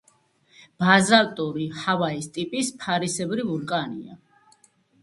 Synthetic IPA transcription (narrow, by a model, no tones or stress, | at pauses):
b̥azalt̪ʼuɾihavaist̪ʼipʼispʰaɾisɛbɾivuɾkʼanḭa̰